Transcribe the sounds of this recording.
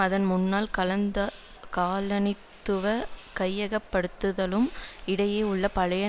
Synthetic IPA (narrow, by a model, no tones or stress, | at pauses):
ɐðɐnmʊnːaːlkɐlɐnd̪ɐ | kaːlɐnɪt̪ːɯʋɐkɐjːɐɣɐpːɐɽɯt̪ːɯðɐlɯmɪɽɐjeːʊɭːɐpɐɻɐjɐ